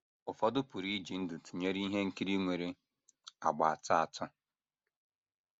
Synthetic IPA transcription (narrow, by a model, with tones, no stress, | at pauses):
ʊ˨fɔ˦dʊ˦pʊ˨ɾi˦d͡ʒi˨n̩˦dʊ˨tu˨ɲe˦ɾi˦ɦe˦ŋ̩˦ki˦ɾi˦ŋʷe˨ɾe˦ | a̰˨ɡ͡ba˨a˨ta˦a˨tʰɔ˦